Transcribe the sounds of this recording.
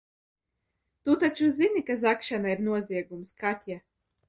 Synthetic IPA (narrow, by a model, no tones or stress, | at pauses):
t̪ut̪at͡ʃuzinikazakʃanaiɾnuɔziɛɡumskat̪ʲja